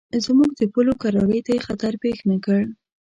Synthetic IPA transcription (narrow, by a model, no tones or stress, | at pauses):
zmuɡd̪əpəlokaɾɑləjt̪ajexat̪aɾpexnakəɽ